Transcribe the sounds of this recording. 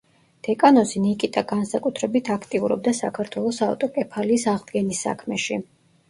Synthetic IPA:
d̪̥ɛkʼanɔsinikʼit̪ʼaɡansakʼut̪ʰɾɛbit̪ʰakʰt̪ʼiuɾɔ̰b̚d̪asakʰaɾt̪ʰwɛlˠɔsavt̪ʼɔkʼɛpʰaliːsaʁd̪ɡɛnisːa̰kʰmɛʃi

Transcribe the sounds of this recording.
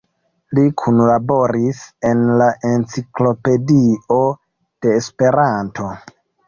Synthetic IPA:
likʰunlabo̞ɾise̞nlaʔe̞nt͡siklo̞pe̞dio̞ | d̥e̞ːspe̞ɾantʰo̞

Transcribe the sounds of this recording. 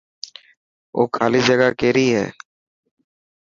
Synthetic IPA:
oːkʰaːliːd͡ʒəɡaːkeːɾiːɦɛ̰ː

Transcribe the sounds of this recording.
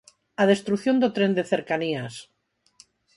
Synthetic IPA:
aðe̞st̪ɾuθjo̞nd̪ot̪ɾe̞nd̪eθeɾkanias

